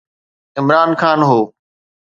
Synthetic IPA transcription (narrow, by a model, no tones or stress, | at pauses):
ɪmɾaːnxaːnɦoː